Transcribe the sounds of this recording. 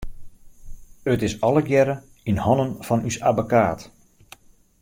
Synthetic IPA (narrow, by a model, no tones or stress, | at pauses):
ətɪsɔlˠəɡjɛɾə | inhɔnənfɔnysabəkaːt